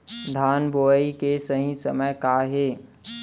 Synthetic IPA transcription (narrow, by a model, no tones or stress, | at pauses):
d̪ʱaːnboːəikesəɦĩsəməjkaɦeː